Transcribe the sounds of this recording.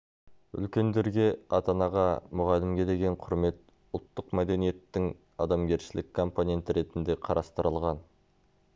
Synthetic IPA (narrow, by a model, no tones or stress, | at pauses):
ʏ̰lkʲe̞nd̪e̞ɾɡʲe̞ɑt̪ɑnɑʁɑmʊʁɑlɪmɡʲe̞d̪e̞ɡʲe̞ɴqʰʊɾme̞t̪ | ʊlˠt̪ːəqmæd̪e̞nije̞t̪ːɪŋ | ɑd̪ɑmɡʲe̞ɾʃɪlʔɪkkʰːo̞mpo̞ne̞nt̪ɪɾe̞t̪ɪnd̪e̞qʰɑɾʔɑst̪əɾəlˠʁɑn